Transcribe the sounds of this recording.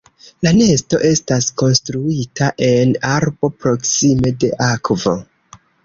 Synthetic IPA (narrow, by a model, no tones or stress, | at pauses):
lane̞sto̞̰ʔe̞stasko̞nstɾuitaʔe̞naɾbo̞pɾo̞ksime̞de̞̰ʔakvo̞